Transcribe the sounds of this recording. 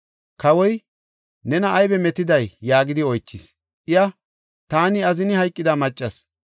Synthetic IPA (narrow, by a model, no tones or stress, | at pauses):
kɐwɔj | nɛnɐːjbɛmɛt̪ɪd̪ɐjːaːɡɪd̪ɪɔjt͡ʃːɪs | ʔɪjɐ | t̪aːnɪɐzɪnɪhɐjkʼːɪd̪ɐmɐt͡ʃʼːɐs